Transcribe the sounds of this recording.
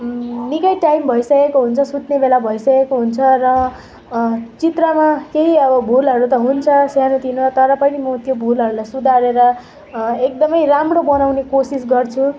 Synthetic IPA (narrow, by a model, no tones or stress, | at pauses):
nikʌjʈajmbʱʌisʌkekoɦunt͡sʰʌsut̪nebelabʱʌisʌkekoɦunt͡sʰʌrʌ | t͡sit̪rʌmakeɦiʌbʌbʱulɦʌɾut̪ʌɦunt͡sʰʌsjanut̪ʰinʌt̪ʌɾʌpʌnimʌt̪jobʱulɦʌɾulajsud̪ʱaɾeɾʌ | ek̚d̪ʌmʌjramrobʌnawnekosis̬ɡʌrt͡sʰũ